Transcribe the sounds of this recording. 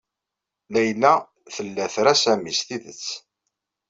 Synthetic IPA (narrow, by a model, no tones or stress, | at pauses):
læjlæ | θəlːæθɾæsæmisθiðə̰t͡sː